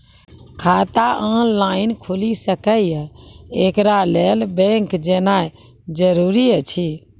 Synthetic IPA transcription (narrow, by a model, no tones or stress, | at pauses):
kʰat̪aʔɔnlaːɪnkʰulisəkəjekɾalelbẽŋkd͡ʒenaj | d͡ʒəɾuɾit͡ʃʰi